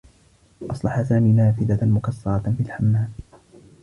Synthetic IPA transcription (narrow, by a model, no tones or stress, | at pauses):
ʔɑsˤlɑħasaːmiːnaːfɪd̪amʊkɑsːɑɾˤɑfilħamːaːm